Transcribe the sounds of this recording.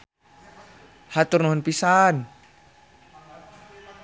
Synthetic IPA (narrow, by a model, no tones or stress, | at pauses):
hat̪ʊrnɔɦɔnpisan